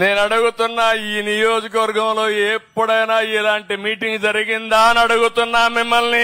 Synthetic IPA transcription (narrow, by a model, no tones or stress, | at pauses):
ne̞ːnɐɽuɡut̪unːaːiːnijo̞ːd͡ʒik̬ɐʋɐɾɡɐmlo̞ːeːpːɐɽɐjnaːilaːɳʈimiːʈiŋɡd͡ʒɐɾiɡind̪aːnɐɽuɡut̪unːaːmimːɐlni